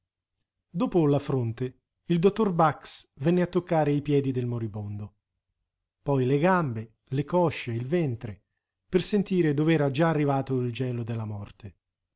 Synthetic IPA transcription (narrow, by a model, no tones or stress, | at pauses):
d̪oːpʊlafɾont̪e | ild̪ot̪ːorbaksvɛnːeat̪ːokːaːɾeipjɛːd̪id̪elmoɾibond̪o | pɔjleɡambe | lekɔʃːeilvɛnt̪ɾe | persent̪iːɾed̪ovɛːɾad͡ʒaːrːivaːt̪oild͡ʒɛːlod̪elːamɔrt̪e